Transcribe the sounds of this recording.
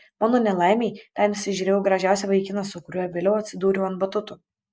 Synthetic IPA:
mɑːnoːnʲɛlˠɑɪmʲeɪt̪ʲɛnɪʃsʲɪʒʲyːɾʲeːjɛʊɡɾɐʒʲæˑʊsʲɛʋɐɪkʲɪnɐsʊkʊɾʲuɔjɛʋʲeːlʲɛʊɐt̪ʲsʲɪd̪uːɾʲuʊɐnbɐt̪ʊt̪ʊ

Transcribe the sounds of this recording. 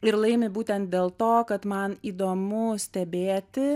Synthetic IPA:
ɪɾlˠɐɪmʲɪbuːt̪ʲɛnt̪̚d̪ʲeːlˠt̪oːkɐt̪mɐniːd̪oːmʊsʲt̪ʲɛbʲeːt̪ʲɪ

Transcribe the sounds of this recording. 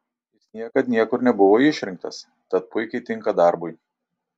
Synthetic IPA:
jɪsnʲiɛkɐt̪nʲiɛkʊɾnʲɛbʊʋoːɪʃʲɾʲɪŋkt̪ɐs | t̪ɐt̪̚pʊɪkʲɛɪt̪ʲɪŋˑkɐd̪ɑˑɾbʊɪ

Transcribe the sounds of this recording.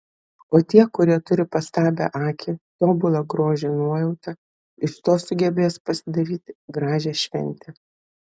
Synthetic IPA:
oːt̪ʲiɛkʊɾʲiɛt̪ʊɾʲɪpɐst̪ɑːbʲɛ̰ʔɑːkʲʰɪt̪oːbʊlˠɐɡɾoːʒʲɛːnuɔjɛʊt̪ʲɐ | ɪʃt̪oːsʊɡʲɛbʲeːspɐsʲɪd̪ɐɾʲiːt̪ʲɡɾɑːʒʲɛːʃʲʋʲɛ̰nʲt̪ʲɛ

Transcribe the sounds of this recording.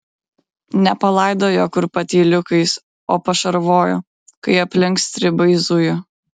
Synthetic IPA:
nʲɛpɐlˠɐˑɪd̪oːjoːkʊɾpɐt̪ʲiːlʲʊkɐɪs | oːpɐʃɐɾʋoːjoː | kɐɪɐpʲlʲɪŋkst̪ʲɾʲɪbɐɪzʊjʊ

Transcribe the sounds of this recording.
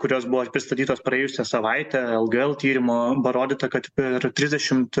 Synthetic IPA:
kʊɾʲoːsbʊʋopʲɾʲɪst̪ɐt̪ʲiːt̪oːspɾɐjeːjʊsʲɛsɐʋɐɪt̪ʲɛːɛlˠɡəɛlˠt̪ʲiːɾʲɪmoːbɐɾoːd̪ʲɪt̪ɐkɐt̪pʲɛɾt̪ʲɾʲɪzʲd̪ʲɛʃʲɪmt̪

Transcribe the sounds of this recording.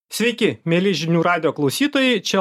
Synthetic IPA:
sʲʋʲɛɪkʲɪmʲeːlʲɪʒʲɪnʲuːɾɑːd̪ʲɪjoːklˠɒʊsʲiːt̪oːjɛɪt͡ʃʲɛ

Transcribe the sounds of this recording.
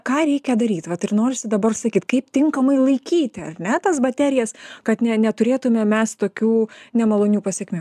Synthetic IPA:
kɑːɾʲɛɪkʲɛd̪ɐɾʲiːt̪ʋɐt̪ɪrnoːɾʲɪsʲɪd̪ɐbɐrsɐkʲiːt̪kɐɪpt̪ʲɪŋkɐmɐɪlˠɐɪkʲiːt̪ʲɪɐ̰rnʲɛt̪ɐsbɐt̪ʲæːɾʲɪjɛskɐt̪nʲɛnʲɛt̪ʊɾʲeːt̪ʊmʲɛmʲɛst̪oːkʲuːnʲɛmɐlˠoːnʲuːpɐsʲɛkʲmʲu

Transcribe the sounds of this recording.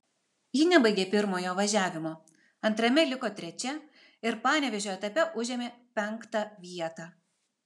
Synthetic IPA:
jɪnʲɛbɐɪɡʲeːpʲɪɾmoːjoːʋɐʒʲæːʋʲɪmoː | ɐnt̪ɾɐmʲɛlʲɪkoːt̪ʲɾʲɛt͡ʃʲɛ | ɪɾpɑːnʲɛʋʲɛʒʲoːɛt̪ɐpʲɛʔʊʒʲeːmʲeːpʲɛŋˑkt̪ɑːʋʲiɛt̪ɑː

